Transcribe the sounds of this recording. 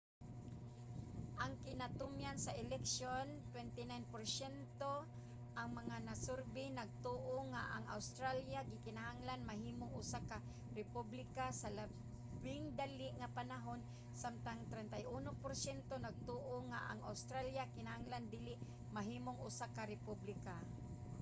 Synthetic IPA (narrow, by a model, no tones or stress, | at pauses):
ʔaŋkɪnat̪ʊmjansaʔɪlɛksjont̪wɛnt̪ɪnajnpoɾsɛnt̪o | ʔaŋmaŋanasʊɾbɪnaɡ̚t̪oʔoŋaʔaŋa̰wst̪ɾaljaɡɪkɪnahaŋlanmaɦiːmoŋʊsaka | ɾɪpublɪkasala | bɪŋd̪alɪʔŋapanaɦon | samt̪aŋt̪ɾɛnt̪ajʔunopoɾsɛnt̪onaɡ̚t̪oʔoŋa̰ʔa̰ŋa̰wst̪ɾaljakɪnahaŋland̪iːlɪʔ | maɦiːmoŋʔʊsakaɾɪpublɪka